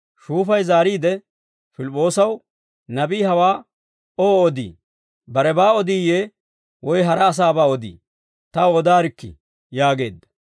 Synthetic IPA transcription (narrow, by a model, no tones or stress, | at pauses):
ʃuːfɐjzaːɾiːd̪ɛ | fɪlɪpʼːo̞ːsɐw | nɐbiːhɐwaː | oːɔd̪ḭː | bɐɾɛbaːɔd̪iːjeː | wɔjɦɐɾɐːs̬aːbaːɔd̪ḭː | t̪ɐɔd̪aːɾɪkːɪ̰ | jaːɡe̞̰ːd̪ːɐ̥